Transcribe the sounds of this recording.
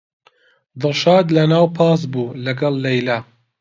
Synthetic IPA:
d̪ɨlʃɑːd̪lɐnaːwpʰɑːs̬buːlɐɡɐlˠːɐjla

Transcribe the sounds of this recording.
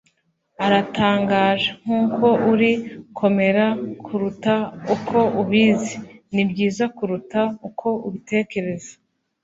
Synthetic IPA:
aɾataːŋɡaːʒaŋ̥uːkʰo̞ʔuɾikʰo̞me̞ɾakkʰuɾutaukʰo̞ʔuβiːzenibɟiːzakuɾutaukʰo̞ʔuβite̞ːke̞ɾe̞zḁ

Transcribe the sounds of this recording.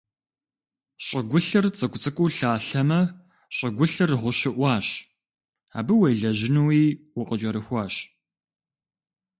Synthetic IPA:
ɕʼɪɡʷʊɬɨrt͡sʼɨkʷʼt͡sʼɨkʷʼʊːɬaːɬɐmɐ | ɕʼɐɡʷʊɬɨrʁʷʊɕɪʔʷɑːɕ | a̰ːbɨwejɮɐʑɪnuwiːwʊqʼət͡ʃʼɐɾɨxʷɑːɕ

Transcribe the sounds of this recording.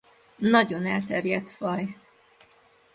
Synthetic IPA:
nɒɟo̞nɛlt̪ɛrjɛt̪fɒj

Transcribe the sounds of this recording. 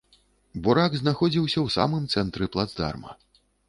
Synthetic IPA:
buɾaɡznaxɔd͡zʲiwsʲɐwsa̰mɨmt̪sɛnt̪ɾɨplˠad̪zd̪a̰rmɐ̰

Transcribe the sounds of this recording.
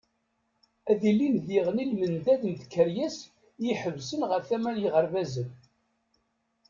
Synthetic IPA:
æðilinðiʁnilmənd̪æðənt̪kːəɾjæs | jiħəvsənʁəɾθæmæljəʁəɾvæzən

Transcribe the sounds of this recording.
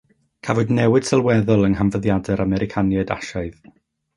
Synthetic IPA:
kʰavɔdnɛwɪd̥sɛlˠwɛðɔlˠənɦanvəðjadɛɾamɛɾɪkʰanjɛda̰ʃaɨð

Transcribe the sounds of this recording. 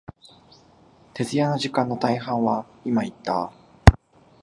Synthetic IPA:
t̪e̞zɨjano̞ʑikãnːo̞t̪aiɦãɰ̃βa | imait̪ːa

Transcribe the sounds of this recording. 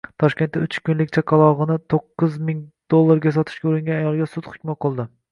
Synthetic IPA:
t̪ʰɒʃkʲe̞nt̪ːɪʊt͡ʃʰkʰʲʊnlɪkʲt͡ʃʰakʰɑlˠɒʁɨnɪt̪ʰoqːɨzmɪŋd̪̥olˠːaɾɡʲas̬ɒt̪ʰɪ̥ʃkʲaʊɾɪŋɡʲanajɒlˠɡʲasʊt̪χʊ̥kʲmaqʰɨlˠd̪ɪ

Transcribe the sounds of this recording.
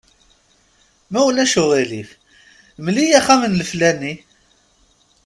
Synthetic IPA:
mæwlæʃʊʁilif | mlijæχæmənləflæni

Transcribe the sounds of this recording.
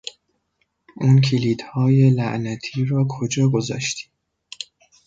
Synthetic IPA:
ʔuːncʰiliːd̪̥hɒːje̞læʔnæt̪ʰiːɾɒːkʰod͡ʒɒːɡozɒ̰ːʃt̪ʰi̥ː

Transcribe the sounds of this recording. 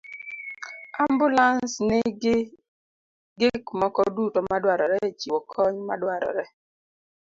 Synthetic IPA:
ambʊlansnɪ | ɡɪkmɔkɔdutɔmadwaɾɔɾɛt͡ʃiwɔkʰɔɲmadwaɾɔ̰ɾɛ

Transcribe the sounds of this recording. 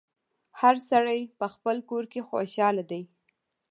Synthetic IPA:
haɾsaɽajpəxpəlkoɾkexo̰ʃɑlad̪aj

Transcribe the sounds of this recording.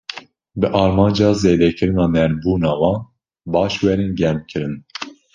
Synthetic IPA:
bɨʔɑːɾmɑːnd͡ʒɑːzeːd̪ɛkʰɨɾɨnɑːnɛɾbuːnɑːwɑːn | bɑːʃwɛɾenɡɛmkʰɨɾɨn

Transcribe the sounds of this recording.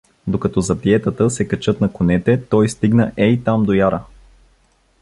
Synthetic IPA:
d̪okɐt̪ɔzɐpiɛt̪ət̪əsɛkɐt͡ʃɤt̪nɐkonɛt̪ɛt̪ɔjst̪iɡnəʔɛit̪amd̪ojaɾə

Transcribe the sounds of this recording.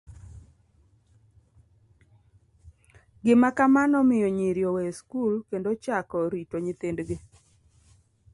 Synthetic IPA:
ɡɪmakamanɔmɪjoɲeɾjoweskulkendot͡ʃakɔɾitoɲɪt̪endɡe

